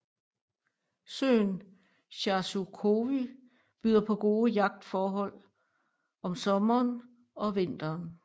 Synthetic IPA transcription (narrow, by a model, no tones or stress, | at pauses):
sø̰ːn | ɕɑ̈sukʰo̝ʋi | b̥yð̰ˠɐpʰɒ̽ɡ̥o̝ːəjɑ̈ɡ̥̚d̥fɒːɦɒ̽l̰ | ɒ̽msɒ̽mɐːn | ɒ̽ʋe̝n̰d̥ɐːn